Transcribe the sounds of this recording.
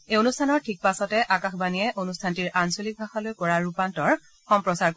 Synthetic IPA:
eonustʰanɔɹtʰik̚pasɔtɛʔakaxbanijɛʔonustʰantiɹʔansolik̚bʱaxalojkɔɹaɹupantɔɹ | xɔmpɹɔsaɹk

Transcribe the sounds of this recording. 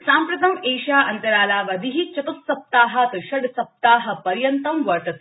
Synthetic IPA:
saːmpɾɐt̪ɐmeːʃaːʔɐnt̪ɐɾaːlaːʋɐd̪ʱiɦit͡ʃɐt̪ut̪sɐp̚t̪aːɦɐt̪ʃɐɖsɐp̚t̪aːɦɐ̆pɐɾjɐnt̪ɐmʋɐɾʈɐt̪

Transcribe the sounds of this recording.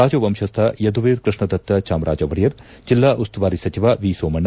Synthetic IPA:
aːd͡ʒɐʋɐmʃɐst̪ʰɐjɐd̪uʋeːɾkɾɪʂɳɐd̪ɐt̪ːɐt͡ʃaːmɾʔaːd͡ʒɐʋɐɽijɐɾ | d͡ʒilːaːʔust̪uʋaːɾisɐt͡ʃiʋaːʋiːsoːmɐɳ

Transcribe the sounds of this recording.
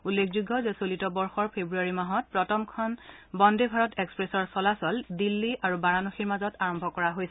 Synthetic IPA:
ulːekʰzuɡʱːɔzɛsolitɔbɔɹxɔɹpʰebɹuaɹimaɦɔt̚pɹɔtʰɔmkʰɔnbɔndebʱaɹɔtɛkspɹesɔɹsɔlasɔldilːiʔaɹubaɹanɔxiɹmazɔtaɹɔmbʱɔkɔɹaɦojsɛ

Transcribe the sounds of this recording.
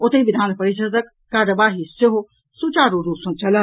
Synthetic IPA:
ot̪eĩʋid̪ʱaːnpɐɾiʃəd̪əkːaːɾəʋaːɦisoɦo | sut͡ʃaːɾuɾuːsɐ̃nt͡ʃɐlə

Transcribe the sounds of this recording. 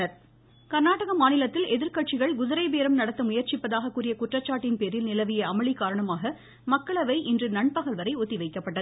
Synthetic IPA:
ɐɾ | kɐɾnaːʈɐɣɐmaːnɪlɐt̪ːɪlɛðɪɾkɐʈt͡ʃɪɣɐɭɡʊðɐɾɐɪpeːɾɐmnɐɽɐt̪ːɐmʊjɐɾt͡ʃɪpːɐðaːɣɐkːuːrɪjɐkʊʈrɐt͡ʃːaːʈːɪnpeːɾɪlnɪlɐʋɪjɐɐmɐɭɪkaːɾɐɳɐmaːɣɐ | mɐkːɐɭɐʋɐɪʔɪndrɯnɐɳpɐɣɐlʋɐɾɐɪʊt̪ːɪʋɐɪkːɐpːɐʈːɐð

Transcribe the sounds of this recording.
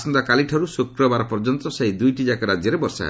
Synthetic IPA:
sɔnd̪akaliʈʰaɾusukɾɔbaɾɔpɔɾd͡ʒɔnt̪ɾɔsejd̪ujʈid͡ʒakɔɾad͡ʒjɔɾebɔɾsa̰a̰

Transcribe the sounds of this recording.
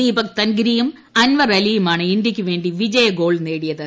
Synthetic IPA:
iːbɐk̚t̪ɐnɡɾijum | ɐnʋɐrɐlijumaːɳɨind̪jikʲːuʋe̞ːɳɖiʋid͡ʑɐjɐɡo̞ːɭne̞ːɽijɐðɨ

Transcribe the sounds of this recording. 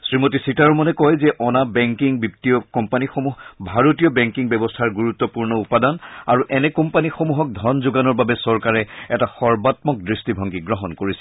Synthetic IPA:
sɹimotisitaɹɔmɔnɛkɔjzɛʔɔnabɛŋkiŋbiptiɔkɔmpanixomuɦbʱaɹotijɔbɛŋkiŋbɛbɔstʰaɹɡuɹut̪ːɔpuɹnɔupadanaɹuʔɛnɛkɔmpanixomuɦɔk̚dʱɔnzʊɡanɔɹbabɛsɔɹkaɹɛɛtaxɔɹbatmɔk̚dɹistibʱɔŋɡiɡɹɔɦɔnkoɹisɛ̥

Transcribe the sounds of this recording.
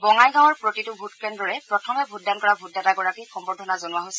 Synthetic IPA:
bɔŋajɡaw̃ɔɹpɹotitʊbʱutkɹɛndɔɹɛpɹɔtʰɔmɛbʱuddankɔɹabʱutːataɡɔɹakixɔmbɔdʱɔnazonʊwaɦojsɛ

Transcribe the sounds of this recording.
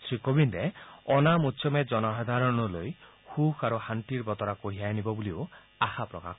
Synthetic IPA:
t̪ʰɾikobindeɔnamutːsʰɔmed͡ʒɔnɔɦad̪ʱaɾɔnɔloj | hukʰaɾuhanʈiɾbɔt̪ɔɾakoɦiajnibɔbulio | axʰapɾɔka̰kʰ

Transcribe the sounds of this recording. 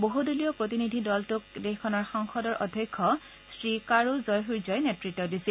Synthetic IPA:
boɦuduliɔpɹot̬inidʱidɔltʊk̚dexkʰːɔnɔɹxɔŋxɔdɔɹʔɔdʱjɔjkʰːɔ | sɹikaɹuzɔjɦujzɔjnetɹitːɔdisil

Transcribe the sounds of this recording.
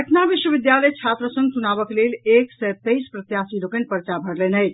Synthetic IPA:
əʈʰnabiʃwəʋid̪jaləjt͡ʃʰat̪ɾəsə̃ŋɡ̚t͡ʃunaβəkleleksɛt̪əjspɾət̪jasilokənpəɾt͡ʃabʱəɽlɛnəj

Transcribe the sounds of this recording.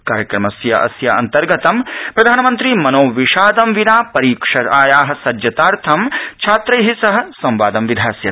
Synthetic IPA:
kaːɾjɐkɾɐmɐsjɐʔɐ̰sjɐɐ̰nt̪ɐɾɡɐt̪ɐmpɾɐd̪ʱaːnɐmɐnt̪ɾimɐnoːʋiʂaːd̪ɐmʋinaːpɐɾiːkʂɐɾaːjaːɦɐ̆sɐd͡ʒjɐt̪aːɾt̪ʰɐmt͡ʃʰaːt̪ɾɐjɦisɐɦɐ̆sɐ̃mʋaːd̪ɐmʋid̪ʱaːsjɐ

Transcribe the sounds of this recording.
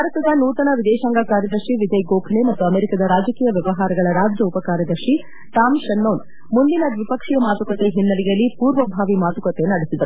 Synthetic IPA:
bʱaːɾɐt̪ɐd̪ɐnuːt̪ɐnɐʋid̪ɛːʃaːŋɡakaːɾjɐd̪ɐɾʂiʋid̪ɐjɡoːkʰnemɐt̪ːuɐmeːɾikɐd̪ɐɾaːd͡ʒɐkiːjɐʋjɐʋɐɦaːɾɐɡɐɭɐɾaːd͡ʒjɐupɐkaːɾjɐd̪ɐɾʂi | t̪aːmʃɐnːoːn | mund̪inɐd̪ʋipɐkʂijɐmaːt̪ukɐt̪eɦinːɐlijɐlːipuːɾʋɐbʱaːʋimaːt̪ukɐt̪enɐɽesid̪ɐɾu

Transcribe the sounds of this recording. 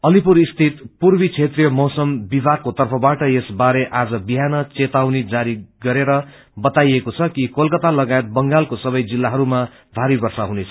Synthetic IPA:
ʌlipuɾist̪ʰit̪purbit͡sʰet̪rijʌmʌwsʌmbibʱarkot̪ʌrpʰʌbaʈʌesbaɾeʔad͡zʌbiɦanʌt͡set̪awnid͡zaɾiɡʌɾeɾʌ | bʌt̪ajekot͡sʰʌkikolkʌt̪alʌɡaet̪̚bʌŋɡalkosʌbʌjd͡zilːaɦʌɾuma | bʱaɾibʌrsaɦunet͡sʰʌ

